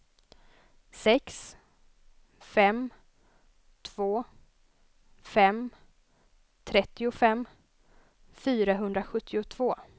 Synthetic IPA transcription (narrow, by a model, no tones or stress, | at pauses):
sɛks | fɛm | t̪ʰv̥oː | fɛm | t̪ʰɾɛt̪ːɪʊfɛmː | fyːɾaɦɵnd̪ɾaɧɵt̪ʰːɪʊt̪ʰv̥oː